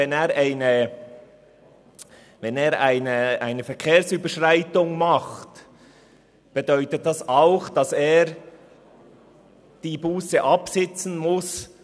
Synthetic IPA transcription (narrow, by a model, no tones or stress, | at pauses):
ɛneːʁaɪnə | vɛneːɾaɪnəʔaɪnəfɛɾkʰeːɾsyːbəʃʁaɪtʊŋmɑχt | b̥edœʏtət̚d̥ɑsaʊxd̥ɑseːɾ | d̥iːbuːsəʔɑpsɪt͡sn̩mʊs